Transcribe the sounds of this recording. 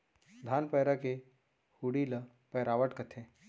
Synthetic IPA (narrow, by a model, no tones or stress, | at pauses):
d̪ʱaːnpɛːɾake | huɽilɐ | pɛːɾaːʋəʈkɐt̪ʰeː